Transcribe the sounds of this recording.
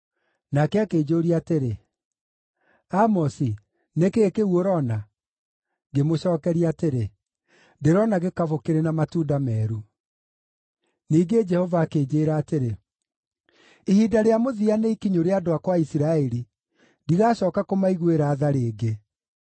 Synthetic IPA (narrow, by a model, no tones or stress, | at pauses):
nakɛakeːd͡ʑoːɾiateɾe | amɔsi | nekekeuoɾɔna | ɡemoɕɔːkɛɾiateɾe | ndeɾɔnaɣekavokeɾenamatuːdamɛːɾu | niːɡed͡ʒɛhɔvaːkeːd͡ʑeːɾaːteɾe | ihiːdaɾeamoðianeikiɲoɾeadoakwaisiɾaɛɾi | diɣaːɕɔːkakomaiɣweɾaːðaɾeːɡe